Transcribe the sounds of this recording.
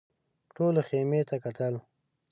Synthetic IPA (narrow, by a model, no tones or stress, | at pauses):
ʈolexemet̪akat̪əl